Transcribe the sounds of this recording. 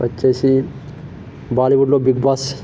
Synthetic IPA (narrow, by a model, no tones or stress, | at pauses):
ɐ̰t͡ʃːeːsi | baːliʋuɖloːbiɡ̚baːs